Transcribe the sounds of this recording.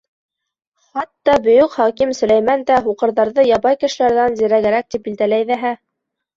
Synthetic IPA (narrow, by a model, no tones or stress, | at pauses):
χɑt̪ːɑbɵ̆jɵkχɑkimsɵ̆læjmænd̪æɦuqɤ̆ɾðɑɾðɤjɑbɑjkɘ̆ʃɘ̆læɾðænziɾæɡɘ̆ɾæk̚t̪ip̚bild̪ælæjðæɦæ